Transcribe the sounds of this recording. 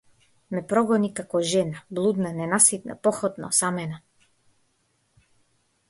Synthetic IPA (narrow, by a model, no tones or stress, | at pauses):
mɛpɾɔɡɔnikakɔʒɛnablˠud̪nanɛnasit̪̚na̰pɔxɔt̪na̰samɛna